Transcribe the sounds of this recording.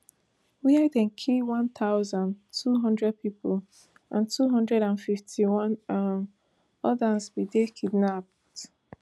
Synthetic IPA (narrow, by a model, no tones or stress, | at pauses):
wiadɛ̃nkʰiwãnt̪aʊzãntʰuɦɔ̃ndɹɛd̚pipol | ʔã̰ntʰuɦɔ̃ndɹɛɾãnfiftʰiwɔ̃n | ɔdasbidekʰidnap̚ | t